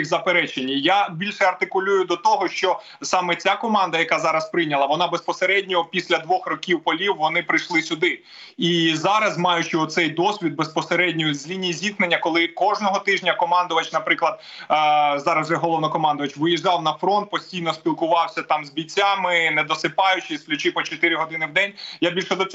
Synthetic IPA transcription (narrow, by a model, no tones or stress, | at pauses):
ixzɐpeɾɛt͡ʃenʲːijabʲilʲʃɛɐrt̪ɪkʊlʲujʊd̪ɔt̪ɔɦɔʃt͡ʃɔ | sɑmɛt͡sʲakɔmɑnd̪ɐjɐkɑzɑɾɐspɾɪjnʲɐlˠɐʋɔnɑbespɔseɾɛdʲnʲɔpʲisʲlʲɐd̪ʋɔxrɔkʲiwpɔlʲiwːʋɔnɪpɾɪjʃlˠɪsʲʊd̪ɪ | izɑɾɐzmɑjʊt͡ʃɪɔt̪sɛjd̪ɔsʲʋʲid̪̚bespɔseɾɛdʲnʲɔjʊzʲlʲinʲijizʲiknenʲːɐkɔlˠɪkɔʒnɔɦɔt̪ɪʒnʲɐkɔmɑnd̪ʊʋɐt͡ʃnɐpɾɪklˠɐd̪̥̚ | zɑɾɐzʒɛɦɔlˠɔwnɐkɔmɑnd̪ʊʋɐt͡ʃʋɪjiʒɑwnɐfɾɔnt̪̚pɔsʲtʲijnɔsʲpʲilˠkʊʋɑwsʲɐt̪ɑmzbʲit͡sʲːamɪnɛd̪ɔsɪpɑjʊt͡ʃɪsʲklʲʊt͡ʃɪpɔt͡ʃɔt̪ɪɾʲɪɦɔd̪ɪnɪwd̪ɛnʲjabʲilʲʃɔd̪ɔ